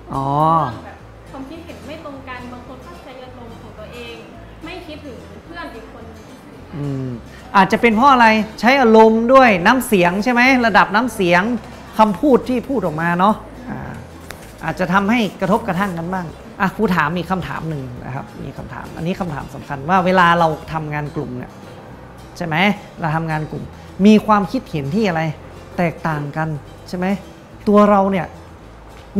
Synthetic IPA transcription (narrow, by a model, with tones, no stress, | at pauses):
ʔɔː˨˩˦ | kʰa˧mkʰi˦˥t̪̚he˨˩˦nma˥˩jt̪o˧ŋka˧nbaː˧ŋkʰo˧npʰa˦˥˩p̚t͡ɕʰa˨˦˥jʔaː˧ɾo˧mkʰɔː˨˩˦ŋt̪u˧ɐʔeː˧ŋ | ma˥˩jkʰi˦˥t̪̚tːɯ˩˦˧npʰɯ˥˩əni˨˦ŋkʰo˧n˧˩ | ʔɯː˧m | ʔaː˨˩t̪̚t͡ɕa˨˩pe˧npʰɔː˥˩ʔa˧ɾa˧jt͡ɕʰa˦˥jʔaː˧ɾo˧mdu˥˩əjnaː˦˥msi˨˩˦əŋt͡ɕʰa˥˩jma˦˥jɾa˧da˨˩p̚naː˦˥msi˨˩˦əŋ | kʰa˧mpʰuː˥˩t̪ʰːiː˥˩pʰuː˥˩ʔɔː˨˩maː˧nɔ˦˥ | ʔa̰ː˧˩ | ʔa̰ː˨˩t̪̚t͡ɕa˨˩t̪ʰa˧mha˥˩jkɾa˧t̪ʰo˦˥p̚kɾa˧t̪ʰa˥˩ŋka˧nbaː˥˩ŋ | ʔa˧˩kʰuː˧t̪ʰaː˩˦mːiː˧˩kʰa˧mt̪ʰa̰ː˩˦mnɯ˨˧ŋna̰˧˩kʰa˦˥p̚mḭː˧kʰa˧mt̪ʰa̰ː˩˦mʔa̰˧nːiː˦˥kʰa˧mt̪ʰa̰ː˩˦msa̰˨˩˦mkʰa˧nwaː˥˩weː˧laː˧ɾa˧wt̪ʰa˧mŋaː˧nklu˨˩mnḭ˧˥˩ɐ | t͡ɕʰa˥˩jma˦˥j | ɾa˧wt̪ʰa˧mŋaː˧nklu˨˩m | miː˧kʰwaː˧mkʰi˦˥t̪̚he˩˦nt̪ʰiː˥˩ʔa˧ɾa˧j | t̪ɛː˨˩k̚t̪aː˨˩ŋka˧n | t͡ɕʰa˥˩jma˦˥j | t̪u˧ɐɾa˧wni˥˩ɐ